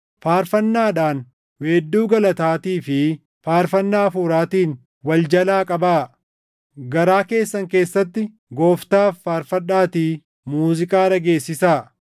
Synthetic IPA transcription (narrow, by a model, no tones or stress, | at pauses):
faːɾfɐnːaːɗaːn | weːd̪ːuːɡɐlɐt̪aːt̪iːfɪ | faːɾfɐnːaːfuːɾaːt̪iːn | wɐld͡ʒɐlaːkʼɐbaː | ɡɐɾaːke̞ːsːɐŋke̞ːsːɐt̪ːɪ | ɡo̞ːft̪aːfːaːɾfɐᶑaːt̪iː | muːzɪkʼaːɾɐɡe̞ːsːɪsaː